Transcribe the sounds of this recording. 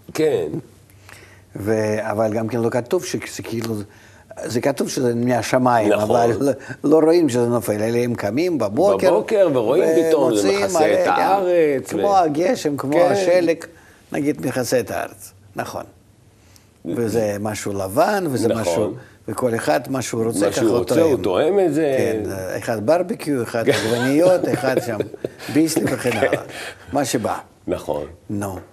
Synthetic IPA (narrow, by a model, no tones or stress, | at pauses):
ken | veavalʲɡamkʲenlˠo̞kat̪uvʃez̥ɛkʰʲɪilˠu | zɛkat̪uvʃəzɛmʲɪaʃamaimmavallo̞ɾo̞imʃəzɛnofe̞leleɛmkamʲimbɐbokʲeɾkeʁveʁoiveiomosismalḛaʁet͡skmo̞aɡʲeʃemkmoaʃelek | na̰ɡʲid̪mʲiχaseet̪aa̰ɾet͡s | naχo̰n | vezɛmaʃuːlavanvezɛmaʃuː | veko̞leχad̪maʃeuɾot͡sekaut̪oemt̪oemetzekenḛχad̪̚baɾbikʲjueχad̪ɡvanʲɪjot̪eχad̪ʃambisliveχenala̰maʃeba̰ | naχo̰nnu